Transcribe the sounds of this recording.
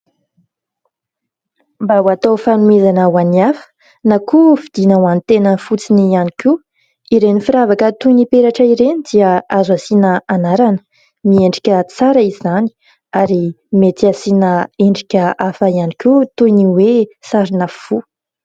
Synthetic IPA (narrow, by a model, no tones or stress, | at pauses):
mbawat̪owfanuezanəwaniafə̥ | nakufid̪inawanit̪enənfut͡sinianikʲu | iɾenifiɾavakət̪ujnipeɾaʈ͡ʂəiɾenid̪iəazwasinəanaɾanə̥ | mieɳɖ͡ʐikʲət͡saɾəizani̥ | aɾi | met̪iasinəeɳɖ͡ʐikʲəʔafaianikʲut̪ujniwesaɾinəfu